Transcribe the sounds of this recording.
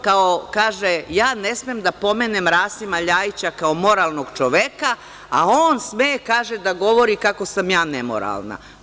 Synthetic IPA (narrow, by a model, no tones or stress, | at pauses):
kaokaːʒejaːnesmemd̪apo̞meːnemɾaːsimaʎaːjit͡ɕakaomo̞ɾaːlˠnoɡ̥t͡ʃo̞ʋeka | aoːnsmeːkaːʒed̪aɡo̞ʋo̞ɾikakosamjaːnemo̰ɾa̰lˠna̰